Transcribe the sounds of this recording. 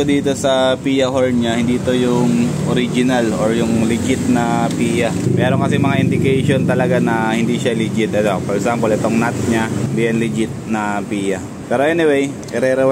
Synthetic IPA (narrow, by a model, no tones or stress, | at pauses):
od̪iːt̪o̞sɐpijɐɦoɹnɲahɪ̃nd̪iːɪt̪o̞jʊŋ | ʔoɾid͡ʒɪnaloɹjʊŋlɪd͡ʒɪt̪̚nɐpiːjɐmɛːɾoŋkɐsɛmɐŋaʔɪnd̪ɪkɛjʃo̞nt̪ɐlɐɡanɐhɪnd̪iʃalid͡ʒɪt̪ʔɛt̪opɾɛksampolɛt̪o̞ŋnat̪̚ɲand̪iʔɐnlɪd͡ʒɪt̪̚nɐpiːjɐ | pɛːɾoʔɛnɪwej | ʔɪɾɛɾɛw